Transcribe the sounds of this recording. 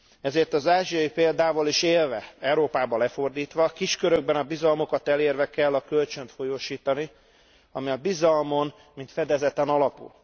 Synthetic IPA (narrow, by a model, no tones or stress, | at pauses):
ɛzeːrt̪ɒzaːʒijɒjipeːld̪aːvoliʃeːlvɛɛwɾoːpaːbɒlɛfo̞rd̪iːt̪ʋɒkiʃkøɾø̞ɡ̚bɛnɒbizɒlmo̞kɒt̪ɛleːrvɛkɛlːɒkølt͡ʃø̞nt̪fo̞joːʃiːt̪ɒni | ɒmiɒbizɒlmo̞n | mint̪fɛd̪ɛzɛt̪ɛnɒlɒpṵl